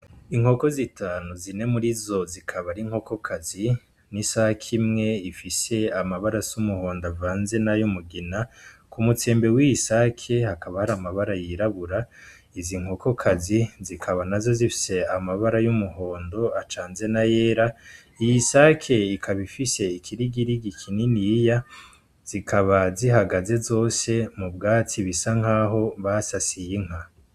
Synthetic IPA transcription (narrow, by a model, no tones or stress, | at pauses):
iŋ̥ho̞ko̞zitʰaːnuzine̞muɾizo̞zikʰaβaɾiŋ̥ho̞ko̞kʰazi | nisahakʰimŋe̞ifise̞amaβaɾasumuho̞ːndavaːnze̞najomuɡinakumut͡se̞ːmbewiisakʰe̞hakaβahaɾamaβaɾajiɾaβuɾa | iziŋ̥oko̞kʰazizikʰaβanazo̞zifi̥se̞amaβaɾajumuho̞ːndo̞at͡ʃaːnze̞naje̞ːɾa | ijisakʰe̞ikʰaβifise̞ikʰiɾiɡiɾiɡikʰininija | z̥ikʰaβaziɦaɡaze̞zo̞ːse̞mubɡaːt͡siβisaŋ̥aːɦo̞βasasijiŋ̥a